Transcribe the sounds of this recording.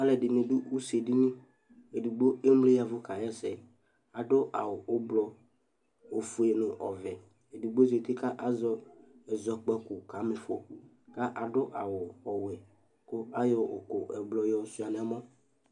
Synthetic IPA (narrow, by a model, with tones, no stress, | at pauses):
a˦lɛ˨ɖɪ˨nẽ˨dʊ˦u˦se˨di˦nĩ˦ | e˨du˨ɡ͡bo˦e˦m˦le˦ja˨vʊ˦ka˨jɛ˦sɛ˨ | a˨ɖʊ˦ʔa˨wʊ˨ʔo˦blɔ˨ | o˨fu˨˦e˦nʊ˨ʔɔ˨vɛ˨ | e˨du˨ɡ͡bo˦ze˨t̪ɪ˦ka˦ʔa˦zɔ˦ɛ˨zɔ˦k͡pɛ˦kʊ˨ka˨˦mɪ˨fo˦ | ka˦ʔa˨ɖʊ˦ʔa˨wʊ˨ɔ˨wɛ˨ | ko˦a˦jɔ˦o̰˨kʊ˨ʔɛ˨blɔ˨jɔ˨su˦a˨nɛ˨˦mɔ̃˦